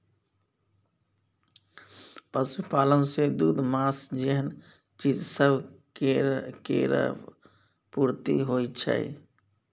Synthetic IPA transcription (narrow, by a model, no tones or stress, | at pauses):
pəsupaːlənsed̪uːd̪maːsd͡ʒeɦən | t͡ʃiːzsəb | kḛɾə̰ | puːɾt̪ḭɦoːit͡ʃʰa̰ːḭ